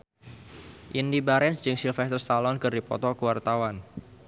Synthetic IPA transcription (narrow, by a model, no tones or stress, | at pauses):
ʔindibaɾɛnsd͡ʒɨŋsilfɛst̪ərst̪alɔnkɨrdipɔ̰t̪ɔkuwart̪awan